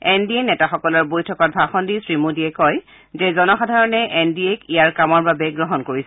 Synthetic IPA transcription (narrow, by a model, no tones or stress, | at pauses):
ɛndienɛtaxɔkɔlɔɹbojtʰɔkɔt̚bʱaxɔndisɹimudiɛkɔj | zɛzɔnɔxadʱaɹɔnɛʔɛndiekijaɹkamɔɹbabɛɡɹɔɦɔnkoɹisɛ